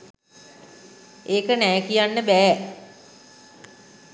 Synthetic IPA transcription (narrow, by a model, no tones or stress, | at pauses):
eːkənɛːkijanːəbæː